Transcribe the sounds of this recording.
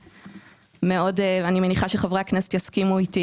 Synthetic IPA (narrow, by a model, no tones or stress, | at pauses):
meo̞deanime̞niχaʃeχavʁeaknese̥t̪jaskimuiti